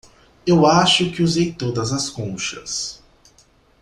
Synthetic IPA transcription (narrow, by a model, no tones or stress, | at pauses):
ewaʃʊkɪuzejt̪od̪ɐzɐskõʃɐ̰s